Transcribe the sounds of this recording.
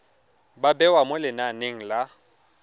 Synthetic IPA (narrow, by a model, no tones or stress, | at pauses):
babɛwamʊlɪnaneŋ̩la